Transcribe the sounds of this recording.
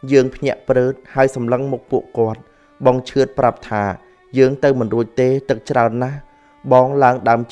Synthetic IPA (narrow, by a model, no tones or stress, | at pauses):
jəːŋpʰɲɛ̆əʔprəːt̪̚haəjsɑmləŋmuk̚puəʔkŏət̪̚ | ɓɑŋt͡ɕʰɨət̪̚prap̚t̪ʰaː | jəːŋt̪ɨwmɨnruəc̚t̪eːt̪ɨk̚t͡ɕraənːah | ɓɑːŋlaəŋɗaəm